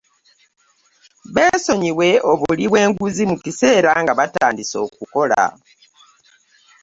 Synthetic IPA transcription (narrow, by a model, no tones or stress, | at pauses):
βe̞ːso̞ɲiwe̞oβuliβwe̞ːŋɡuzimukise̞ːɾaŋɡaβataːndiso̞̰ːk̚uko̞la̰